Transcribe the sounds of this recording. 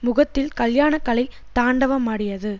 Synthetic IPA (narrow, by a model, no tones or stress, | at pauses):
mʊɣɐt̪ːɪlkɐljaːnɐkːɐlɐɪ | t̪aːɳɖɐʋɐmaːɽɪjɐðɯ